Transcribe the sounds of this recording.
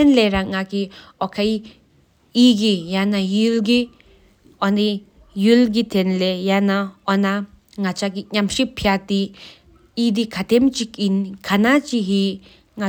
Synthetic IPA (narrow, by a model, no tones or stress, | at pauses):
enleɾaŋaki | ɔkʰaj | iɡijanajilɡi | ɔni | julɡ̬it̪enlejanaɔna | ŋat͡ʃakiɲamʂipʰjat̪i | id̪ikʰat̪emt͡ʃikinkʰanat͡ʃiɦi | ŋa